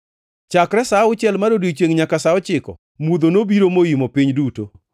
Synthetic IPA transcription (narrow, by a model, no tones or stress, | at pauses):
t͡ʃakɾɛsaʊt͡ʃjɛlmaɾodit͡ʃeŋɲakasaɔt͡ʃɪkɔ̰ | mud̪onobiɾomojimopiɲduto